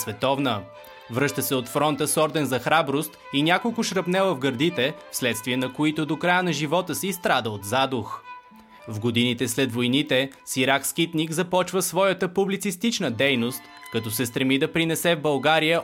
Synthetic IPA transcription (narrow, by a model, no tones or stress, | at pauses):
svɛt̪ɔvnə | vɾɤʃt̪əsɛot̪fɾɔnt̪əsɔɾd̪ɛnzɐxɾabɾost̪ | inʲakolˠkʊʃɾɐpnɛlˠəvɡəɾd̪it̪ɛfslɛt̪st̪viɛnɐkoit̪od̪okɾajənɐʒivɔt̪əsist̪ɾad̪əot̪zad̪ʊx | vɡod̪init̪ɛslɛd̪vojnit̪ɛsiɾaksk̟it̪nikzɐpɔt͡ʃvəsvɔjət̪əpublit̪sist̪it͡ʃnəd̪ɛjnost̪ | kɐt̪ɔsɛst̪ɾɛmid̪ɐpɾinɛsɛvbɐlˠɡaɾijə